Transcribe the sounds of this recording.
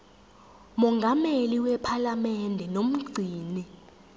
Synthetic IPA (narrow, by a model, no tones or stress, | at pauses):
mɔŋɡʱameliwɛpʰalamɛndʱɛnom̩ɡ͡ǀʱiːni